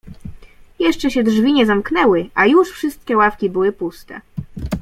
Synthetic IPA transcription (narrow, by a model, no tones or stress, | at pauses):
jɛʂt͡ʂɛɕɛdʐvʲiɲɛzamknɛwɘʔajuʂfʂɘst̪̚kʲɛwafkʲibɘwɘpust̪ɛ̰